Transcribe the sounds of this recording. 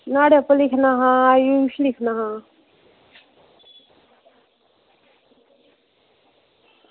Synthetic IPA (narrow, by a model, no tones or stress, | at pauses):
naːɽepəlikʰnaɦãjuʃlikʰnaɦãː